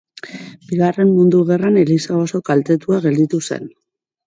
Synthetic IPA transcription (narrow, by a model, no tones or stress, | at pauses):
b̥iɣ̞are̞mmund̪uɣe̞rane̞lisaoso̞kalt̪e̞t̪uaɣe̞ld̪it̪use̞̰n